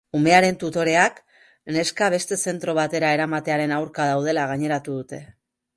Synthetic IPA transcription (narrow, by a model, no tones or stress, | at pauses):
ume̞aɾe̞nt̪ut̪o̞ɾe̞ak | ne̞skaβ̞e̞st̪e̞se̞nt̪ɾo̞β̞at̪e̞ɾae̞ɾamat̪e̞aɾe̞nawɾkað̞awð̞e̞laɣ̞aɲe̞ɾat̪uðut̪e̞